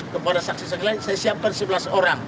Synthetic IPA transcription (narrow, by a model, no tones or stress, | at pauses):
kəpadasak̚sisaŋilasajasiap̚kansəbəlasoɾaŋ